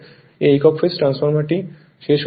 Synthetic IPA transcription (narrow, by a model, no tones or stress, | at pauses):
eikɔkfisʈɾansfɔɾmaʈi | ʃeʃ